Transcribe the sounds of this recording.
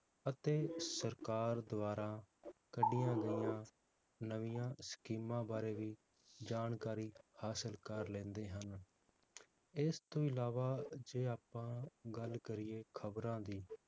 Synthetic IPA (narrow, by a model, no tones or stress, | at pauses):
ət̪eːsəɾkaːɾd̪ʊʋaːɾãːkəɖɪjãːɡəɪjãː | nəʋijãːskiːmãːbaːɾeːʋiː | d͡ʒaːnkaːɾiːhaːsəlkəɾlɛ̃ːnd̪eːɦən | ɪst̪õːɪlaːʋaːd͡ʒeːaːpːãːɡəlkəɾɪːeːkʰəbɾãːd̪iː